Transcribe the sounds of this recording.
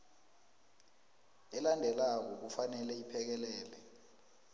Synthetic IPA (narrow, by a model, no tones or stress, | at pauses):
ɛlandʱɛlak̬ɔk̬ufanɛlɛipʰɛk̬ɛlɛːlɛ